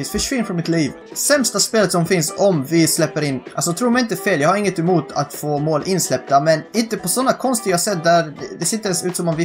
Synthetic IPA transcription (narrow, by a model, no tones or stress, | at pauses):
sfœʂvɪnfɾɔmɪt̪liːv | sɛmst̪aspeːlət̪sɔmfɪnsɔmvɪslɛpːəɾɪnːʔals̬ɔt̪ʰɾuːɾmɛjɪnt̪əfeːljɑːɡhaɾɪŋːət̪ɛmuːt̪ʰa̰t̪foːmoːlʔɪnslɛp̚d̪amɛnɪnt̪əpɔsɔnːakʰɔnst̪əɡasɛt̪̚d̪æɾd̪ɛd̪ɛseːɪnt̪əɛnsʉːt̪sɔmɔmvɪ